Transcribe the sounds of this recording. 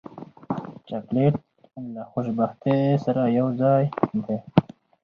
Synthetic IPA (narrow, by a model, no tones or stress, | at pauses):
t͡ʃakleʈ̚ | nlaxʊʃbaxt̪esaɾajawzɑjnd̪e